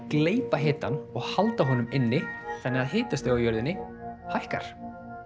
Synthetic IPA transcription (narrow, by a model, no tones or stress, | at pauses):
kleːjpaɦɪːt̪anɔɣhalt̪aɦɔːnʏmɪnːɪθʰɛnːɪɣaðhɪːt̪ast̪eawjœɾðɪnːɪ | hajhka̰ɾ̥